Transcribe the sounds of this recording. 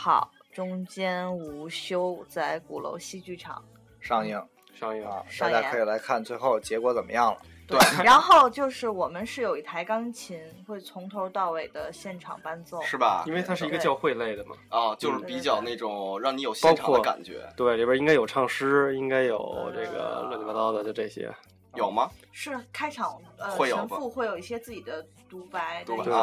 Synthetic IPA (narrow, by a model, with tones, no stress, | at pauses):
xɑ̰˨˩ʊʈ͡ʂʊ˥ŋt͡ɕjɛ˥nu˧˥ɕjo˥ʊt͡sa˥˩ɪku˨˩lo̰˧˥ʊɕi˥t͡ɕy˥˩ʈ͡ʂʰɑ̰˨˩˦ŋ | ʂɑ˥˧ŋi˥˩ŋ | ʂɑ˥˧ŋi˥˧ŋ̰˧˩sa˥t̪a˥˩kʰɤ˧˥i˨˩la˧˥ɪkʰa˥˧nt͡swe˥˧ɪxo˥˩ʊt͡ɕjɛ˧˥kwɔ˧˥t͡sə˨˩nmːʔə̰˦jɑ˥˩ŋlə˩t̪we˥˩ɻa˧˥nxo˥˧ʊt͡ɕjo˥˧ʊʂɻ̩˥˩wɔ˨˩mə˦nʂɻ̩˥˩jo˨˩ʊi˥˩t̪ʰa˧˥ɪkɑ˥ŋt͡ɕʰi˧˥nxwe˥˩ɪt͡sʰʊ˧˥ŋt̪ʰo˧˥ʊt̪ɑ˥˩ʊwe˨˩ɪd̪ə˦ɕjɛ˥˩nʈ͡ʂʰɑ̰˨˩ŋpa˥nt͡sʊ˥˩ʂɻ̩˥˩bɐ˩i˥nwe˥˩ɪt̪ʰa˥ʂɻ̩˥˩i˧˥ɡə˧t͡ɕjɑ˥˧ʊxwe˥˧ɪle˥˩ɪd̪ə˩mɐ̰˩ɔ˥˧t͡ɕjo˥˧ʊʂɻ̩˥pi˧˥t͡ɕjɑ˨˩ʊna˥˩ɪʈ͡ʂʊ˨˩ŋɻɑ˥˩ŋni˧˥jo˨˩ʊɕjɑ˧˥ʊʈ͡ʂʰkɑ˨wɔ˩d̪ka̰˨˩nt͡ɕɥɛ̰˧˥t̪we˥˩ɪli˥˩bi˥ŋka˥ɪjo˨˩ʈ͡ʂʰɑ˥˧˩ŋʂɻ̩˥i˥ŋka˥ɪjo˨˩ʊʈ͡ʂɤ˥˩ɡə̰˩lwə˥˧nʰa˥t̪ɑ˥ʊd̪ə˨t͡ɕjo˥˧ʊʈ͡ʂɤ˥˩ɕjɛ̰˥ | jo˨˩ʊmɐ˦ʂɻ̩˥˩kʰa˥ɪʈ͡ʂʰɑ˨˩ŋəxwe˥˩ɪjo˨ə˧˥fu˥˧xwe˥˩jo˨˩ʊi˥˩ɕjɛ˥t͡sɹ̩˥˩t͡ɕi˨˩d̪ə˦ | t̪u˧˥pa˧˥ɪ˥˧˥